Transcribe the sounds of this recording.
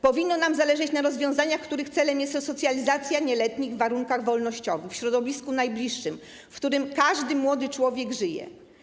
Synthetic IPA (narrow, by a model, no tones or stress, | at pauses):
pɔvʲinːɔnamzalɛʐɛt͡ɕnaɾɔzvʲjɔ̃w̃zaɲaxkt̪uɾɘxt̪sɛlɛmjɛst̪ɔsɔt̪sʲjalʲizat̪sʲjaɲɛlɛt̪ɲiɣvːaɾuŋkaɣvɔlnɔɕt͡ɕɔvɘxfɕɾɔd̪ɔvʲiskunajblʲiʂːɘm | fkt̪uɾɘmkaʐd̪ɘmwɔd̪ɘt͡ʂwɔvʲjɛɡʐɘjɛ̰